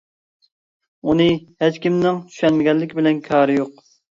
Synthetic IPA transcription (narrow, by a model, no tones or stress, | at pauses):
unɨhɛt͡ʃkʲimnɪŋt͡ʃ̪ʰy̥ʃɛnmɪɡʲɛlːɪkʲbɪlɛnkʲʰɑːɾɨjoq